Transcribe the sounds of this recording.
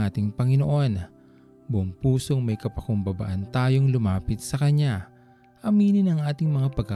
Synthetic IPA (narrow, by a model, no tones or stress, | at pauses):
ʔaːt̪ɪŋpɐŋɪno̞ʔo̞n | bʊʔoŋpuːso̞ŋmɐjkɐpɐkʊmbɐba̰ʔɐnt̪aːjo̞ŋlʊmaːpɪt̪̚sɐkɐɲa | ʔɐmiːnɪnɐŋʔaːt̪ɪŋmɐŋapɐɡ̚kɐ